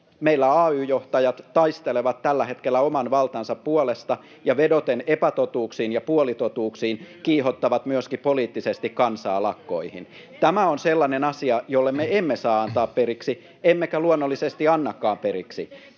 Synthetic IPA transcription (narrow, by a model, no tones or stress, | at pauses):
meilːæɑːyːjoht̪ɑjɑt̪tɑist̪eleʋɑt̪t̪ælːæhet̪kelːæomɑnʋɑlt̪ɑnsɑppuolest̪ɑ | jɑʋedot̪enepæt̪ot̪uːksiːnjɑpuolit̪ot̪uːksiːnkiːhot̪ːɑʋɑt̪myøskipoliːt̪ːisest̪ikkɑnsɑ̰ːlɑkːo̰ihḭn | t̪æmæonselːɑnenɑsiɑjolːemmeemːesɑːɑnt̪ɑːppeɾiksi | emːekæluonːolːisest̪iɑnːɑkːɑːmpeɾiksḭ